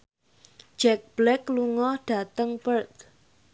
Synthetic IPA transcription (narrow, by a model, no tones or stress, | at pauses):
d͡ʒ̥ɛk̚b̥lɛkluŋɔhɖ̥a̤t̪əŋpərt̪